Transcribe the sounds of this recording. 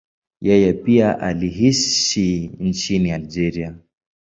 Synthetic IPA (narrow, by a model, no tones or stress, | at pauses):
jɛjɛpiaʔaliɦiʃint͡ʃiniald͡ʒɛɾia